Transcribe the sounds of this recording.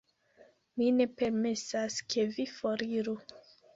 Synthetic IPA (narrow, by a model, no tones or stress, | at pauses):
mine̞pe̞ɾmesaskʰe̞vifoɾiɾu